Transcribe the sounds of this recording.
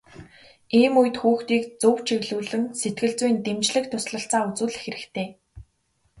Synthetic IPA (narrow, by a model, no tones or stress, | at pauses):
eːmuj̆t̪xuːxt̪iːkt͡sʊwt͡ɕʰiɣɮuːɮɘ̆nset̪̚ɡɘ̆ɮt͡sujnt̪emt͡ɕɮɘ̆k̚t̪ʰʊsɮə̆ɬt͡saːut͡suːɮ̆xeɾɘ̆t̪ʰeː